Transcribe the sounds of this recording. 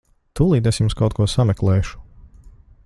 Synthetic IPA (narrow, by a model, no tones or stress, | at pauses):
t̪ulˠiːd̪esjumskawt̪̚kuɔsamɛklˠɛːʃu̥